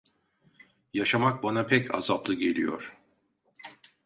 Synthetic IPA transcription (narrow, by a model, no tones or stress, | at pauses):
jaʃamak̚banapʰɛcʰa̰zaplˠɯɟe̞lʲijo̰ɾ̥